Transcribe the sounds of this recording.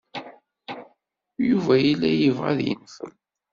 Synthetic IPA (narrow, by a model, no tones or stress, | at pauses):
juvæjilːæjəvʁa̰ðjə̰nːθə̰m